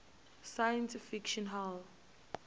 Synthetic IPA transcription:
sajə̃ntifikʃɔ̃nɦal

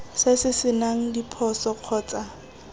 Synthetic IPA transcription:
sɪsɪsɪnaŋ̩dipʰɔsɔq͡χʰɔːt͡sʼa

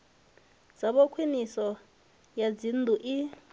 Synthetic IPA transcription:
d͡zaɓɔkʰwinisɔ | jad͡zind̪ʱuʔi

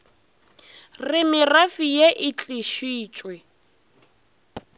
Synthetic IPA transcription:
rɪmɪrafijeʔɪt͡ɬʼiʃiːt͡ʃʼwɪ

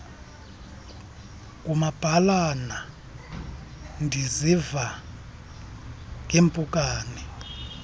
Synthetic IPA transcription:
k̬ʼumab̥ʱalana | ndʱiziva | k̬ʼempʼukʼaːni

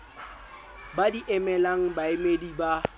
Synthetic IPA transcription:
badiʔɛmɛlaŋ̩baɪmediba

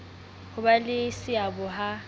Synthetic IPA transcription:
hʊbalɪsɪabʊɦa

